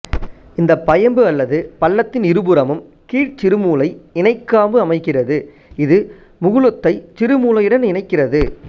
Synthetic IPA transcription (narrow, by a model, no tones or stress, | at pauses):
ɪnd̪ɐpːɐjɐmbɯɐlːɐðɯpɐlːɐt̪ːɪnɪɾɯbɯɾɐmɯm | kiːʈt͡ʃɪɾɯmuːlɐɪɪnɐɪkːaːbɯɐmɐɪkːɪrɐðɯ | ɪðɯ | mʊɣɯɭɯt̪ːɐɪt͡ʃɪɾɯmuːlɐjɪɽɐnɪnɐɪkːɪrɐðɯ